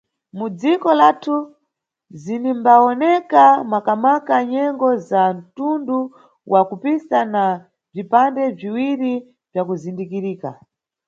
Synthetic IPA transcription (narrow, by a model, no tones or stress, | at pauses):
mud͡zikɔlatʰu | zinimbaɔnɛkamwakamakaɲɛŋɡɔzan̩tundu | wʔakupisana | b͡ʐipandɛb͡ʐiwiɾi | b͡ʐjak̬uzindikiɾiːka̰